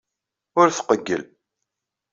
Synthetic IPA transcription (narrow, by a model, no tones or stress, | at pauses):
ʊɾθqəɡːə̰l